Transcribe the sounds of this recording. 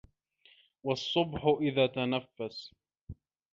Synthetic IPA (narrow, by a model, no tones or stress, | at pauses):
wɑsˤːʊbħʊʔɪðaːt̪anafːas